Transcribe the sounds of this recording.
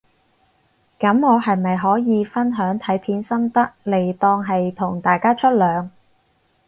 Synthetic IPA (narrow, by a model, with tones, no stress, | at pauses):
kɐ˨˥mŋɔː˨˧hɐ˨jmɐ˨jɦɔː˨˥jiː˨˧fɐ˥nɦœː˨˥ŋt̪ʰɐ˨˥jpʰiː˨˥nsɐ˥mt̪ɐ˥k̚le˨˩jt̪ɔː˧ŋɦɐ˨jt̪ʰʊ˨˩ŋt̪aː˨jkaː˥t͡ʃʰɵ˥t̚lœː˨˧ŋ